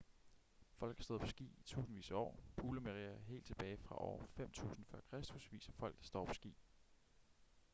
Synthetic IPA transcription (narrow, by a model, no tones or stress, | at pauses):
fɒ̽l̰ɡ̥ɑsd̥o̽ðˠpʰɒ̽sɡ̥ḭːit͡sʰṵːsn̩ʋḭːsɒ̰ːpʰuːləmeʁiɐɦe̝̰ːld̥t͡sʰe̝b̥ɛːɪfʁɑ̈ʔɒːfem̰t͡sʰṵːsn̩fɶɐkʰʁɛsd̥usʋiːsɐ̥fɒ̽l̰ɡ̥̚d̥æsd̥ɒ̰ːpʰɒ̥̽sɡ̥ḭː